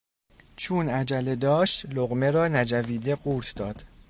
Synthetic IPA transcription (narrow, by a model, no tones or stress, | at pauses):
t͡ʃʰuːnæd͡ʒæled̪ɒːʃt̪loɣme̞ɾɒːnæd͡ʒæviːd̪e̞ɢuːɾt̪ʰd̪ɒːd̪̥